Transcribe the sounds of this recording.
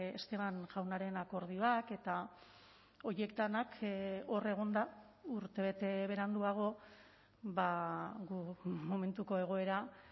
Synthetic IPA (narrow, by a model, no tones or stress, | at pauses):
est̪e̞βanʝawnaɾe̞nako̞ɾð̞ioake̞t̪a | o̞je̞k̚t̪anako̞re̞ɣ̞o̞nd̪a | uɾt̪e̞βe̞t̪e̞βe̞ɾand̪uaɣ̞o̞ | βaɡumo̞me̞nt̪uko̞e̞ɣ̞o̞e̞ɾa